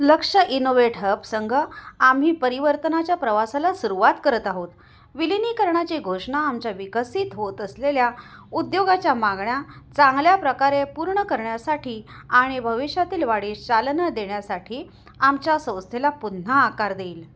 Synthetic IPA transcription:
ləkʂəʔinoʋeʈɦəpsəŋɡʱəam̤ɦiːpəɾiʋəɾt̪ənat͡ɕjapɾəʋasalasuɾuʋat̪kəɾət̪aɦot̪ | ʋiliniːkəɾɳat͡ɕeɡʱoʂɳaːmt͡ɕaʋikəsit̪ɦot̪əsleljaud̪joɡat͡ɕjamaɡɳjat͡sãŋɡljapɾəkaɾepuɾɳəkəɾɳjasaʈʰiːaɽ̃ibʱəʋiɕjat̪iːlʋaɽiːt͡ɕalnəd̪eɳjasaʈʰiː | amt͡ɕjasə̃w̃st̪ʰelapunːaːkaɾd̪eːl

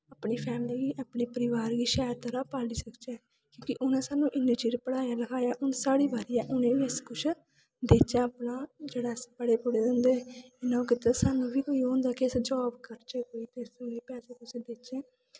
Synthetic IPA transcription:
aːpɳiːpʰɛːmɪliːɡiːʔaːpɳiːpəɾɪʋaːɾɡiːʃaːjɾt̪əɾaːpaːliːsəkt͡ʃɛː | kjõːkɪʔʊnɛ̃ːsaːnũːʔɪnːəd͡ʒiːɾpəɽaːjaːləkʰaːjaːʔʊnsaːɽiːbaːɾijãːʔʊnẽːʋiəskʊt͡ʃʰ | d̪eːt͡ʃaːaːpnaːd͡ʒeːɽaːsbəɽeːpʊɽeːd̪ənd̪eːɪnãːkɪt̪esaːnũːʋiːkoːiɦõːnd̪aːkɪɪsd͡ʒɔːbkəɾt͡ʃeːkoːiːt̪esʊneːpɛːseːk̪ʊsd̪eːt͡ʃẽː

